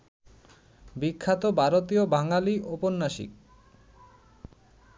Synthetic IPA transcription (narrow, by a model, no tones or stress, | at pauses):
bikʰːat̪obʱaɾot̪iobʱaŋaliʔoponːaʃḭk̚